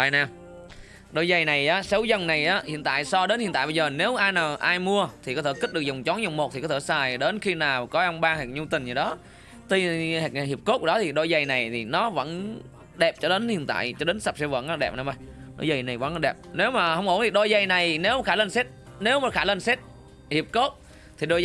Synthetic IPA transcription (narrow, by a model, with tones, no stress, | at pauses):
aː˧˨jnaː˧˩m | ɗo˧jzə˨˩jna˨˩jʔaː˨˦sə˨˦wzə˨˩nna˨˩jʔaː˨˦hḭ˧˨ənt̪a̰ː˧˨jsɔ˧ɗe˨˦nhi˧˨nt̪a̰ː˧˨jɓə˧zəː˨˩ne˨˦wʔaː˧jnaː˨˩wʔaː˧jmu˧ət̪ʰi˨˩kɔ˨˦t̪ʰeː˧˩ki˦˥t̚ɗɨ˨˩ək̚zʊ˨˩ŋ͡mt͡ɕɔ˨˦nzo˨˩wŋ͡mmo˨˩t̪i˨kɔ˨˦t̪ʰːsaː˨˩jɗe˨˦nxi˧naː˨˩wkɔ˨˦ʔə˧wŋ͡mɓaː˧ŋhe˨˩k̚ɲu˧t̪ï˨˩ŋ̟zə˨˩ɗɔ˨˦ | t̪i˧hk̚hi˨˩əp̚ko˦˥˧ɗɔ˨˦t̪ʰi˨˩ɗo˧jzə˨˩jna˨˩jt̪ʰi˨˩nɔ˨˦və̰˧˥n | ɗɛ˨˩p̚t͡ɕɔ˧ɗe˨˦nhḭ˧˨ənt̪a̰ː˧˨jt͡ɕɔ˧ɗe˨˦nsa˨˩p̚sɛ˧wvə̰˧˨nʔaː˧ɗɛ̰˨˩p̚na˨˩ma˧˩jɗo̰˧˩jzə˨˩jna˨˩jvə̰˧˥˨n˧˦ɗɛ˨˩p̚ne˨˦wmaː˨˩hə˧wŋ͡mʔo̰˧˩˦nt̪ʰi˨˩ɗo˧jzə˧˩jna˨˩jne˨˦wma˨˩xaː˧˦lə˧nse˦˥t̚ | ne˨˦wmaː˨˩xaː˧˩lə˧nse˦˥t̚ | hi˨˩əp̚ko˦˥t̚ | t̪ʰi˨˩ɗo˧